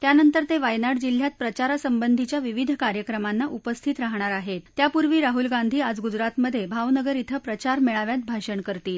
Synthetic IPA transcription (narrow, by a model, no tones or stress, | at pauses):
t̪janənt̪əɾt̪eʋajnaɽd͡ʑil̤jat̪̚pɾət͡ɕaɾasəmbənd̪ʱit͡ɕjaʋiʋid̪ʱkaɾjəkɾəmanːaʔupəst̪ʰit̪ɾaɦɳaɾaɦet̪ːjapuɾʋiːɾaɦulɡand̪ʱiːad͡zɡud͡zɾat̪məd̪ʱːjebʱawnəɡəɾit̪ʰəpɾət͡ɕaɾmeɭaʋjat̪̚bʱaɕəɳkəɾt̪iːl